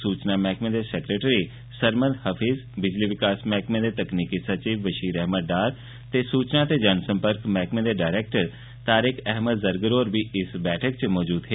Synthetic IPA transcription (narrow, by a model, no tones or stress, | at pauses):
suːt͡ʃnamɛɦkmẽd̪esɛːkɾeːʈɾi | səɾmə̃nd̪həpʰiːzbɪd͡ʒliʋɪkaːsmɛɦkmẽd̪et̪ɐkniːkisɐt͡ʃiːʋːəʃiːɾɛɦməɖaːɾ | t̪esuːt͡ʃnat̪ed͡ʒansə̃mpəɾkmɛɦkmẽd̪eɖaːɪɾeːk̚ʈəɾ | t̪aːɾɪkɛɦməd̪zəɾɡəɾoːɾʋiɪsbɛːʈʰək̚t͡ʃmɔːd͡ʒuːd̪ɦeː